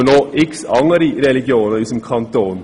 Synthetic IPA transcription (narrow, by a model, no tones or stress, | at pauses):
noːʔɪksɑŋəɾiɾɛlɪɡɪuːnəisɔmkʰɑnt̪oːn